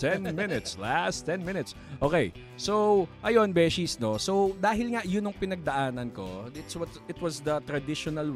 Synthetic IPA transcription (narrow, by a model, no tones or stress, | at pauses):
t̪ɛnmɪnɪt̪slast̪ːɛnmɪnɪt̪s | ʔoːkej | soʔɐjo̞nbɛːʃisnosowd̪aːɦɪlŋaʔjʊnoŋpɪnɐɡ̚d̪ɐʔaːnɐnko̞̰ɪt̪swɐt̪ɪt̪wɐsd̪ɐt̪ɾɐd̪ɪʃɔnɐl